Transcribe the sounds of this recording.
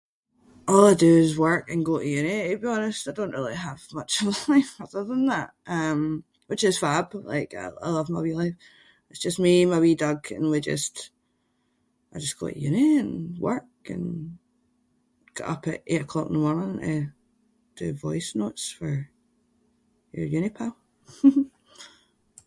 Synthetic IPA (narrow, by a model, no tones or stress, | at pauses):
ʔɔlˠaɪdəzwɜ˞kə̃nɡoʔəjʉnɪɪbiɔnɪstaɪdõnʔɹilˠiəv̥mʌt͡ʃʌvaɪfəðə˞ðə̃nðaʔʌ̃m | wɪt͡ʃɪz̥fab̥lˠa̰ɪka̰ɪa̰ɪlˠʌvmabilˠaɪf | ɪtsd̥ʒ̥ʌsmimabidʌɡə̰̃nwid͡ʒʌ̰st | aɪd͡ʒʌsɡ̥ɔ̰ɪ̰ʔjʉnɪə̃nwɜ˞kə̰̃n | ɡ̥ɔ̰ʔʌpə̰ʔḛʔəkʰl̥ɔkɪ̰̃n̩ðəmɔmɪ̃ŋʔə | d̥ʉvɔɪsnotsfə˞ | jə˞jʉnɪpʰaʊ